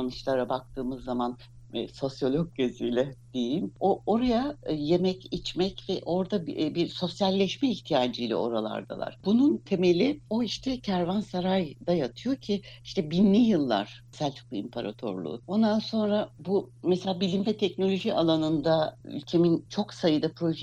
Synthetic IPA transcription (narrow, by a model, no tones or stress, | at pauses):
anɯʃlˠaɾabak̚t̪ʰɯːmɯzːaman | so̞sjo̞lʲok̚ɟezijlʲɛd̪̥ejimoo̞ɾajaje̞mɛcit͡ʃmɛcvɛʔo̞ɾd̪abiɾso̞sjalʲːɛʃmɛiçt̪ʰijaːd͡ʒɯjlʲɛ̰o̞̰ɾalˠa̰ɾd̪a̰lˠa̰ɾ̥bununt̪ʰe̞me̞lʲio̞iʃt̪ʰɛcʰæɾvansaɾajd̪ajat̪ʰɯjo̞cʰiiʃt̪ʰɛbinːʲijɯlˠːa̰ɾ̥ | sælʲt͡ʃʰɯ̥k̚lˠɯimpʰaɾa̰t̪ʰo̞̰ɾlˠṵːo̞nd̪anso̞nɾabumɛselʲaːbilʲimbɛt̪ʰɛcno̞lʲo̞ʒialˠanɯnd̪ay̰lʲcʰe̞mint͡ʃʰo̞ksajɯd̪apʰɾo̞ʒ